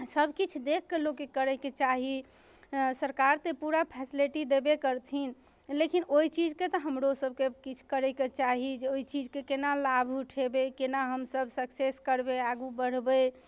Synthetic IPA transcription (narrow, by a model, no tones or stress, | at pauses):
səbʱkit͡ʃʰd̪ekʰːelokːekəɾəket͡ʃaɦi | səɾkaɾt̪epuɾapʰɛsiliʈid̪ebekəɾt̪ʰin | lekinoit͡ʃid͡ʒket̪ɔɦəmɾosəb̚ʱkekit͡ʃʰkəɾəket͡ʃaɦid͡ʒeoit͡ʃid͡ʒkekenalabʱuʈʰebekenaɦəmsəbʱsəkseskəɾbeaɡubəɽ̤bə